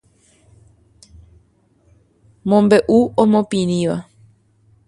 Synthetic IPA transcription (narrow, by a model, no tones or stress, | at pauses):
mõmbe̞ʔuõmõpĩɾ̃ĩʋa